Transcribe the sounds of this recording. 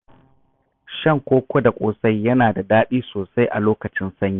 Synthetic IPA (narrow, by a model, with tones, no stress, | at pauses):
ʃɐ˦˨ŋkʷoː˦kʷo˦da˨kʷʼoː˦sa˦jːɐ˦naː˨da˨daː˦ɗiː˦soː˨sa˦jʔa̰˨loː˦kɐ˨t͡ʃɪ˦nsɐ˦ɲjiː˦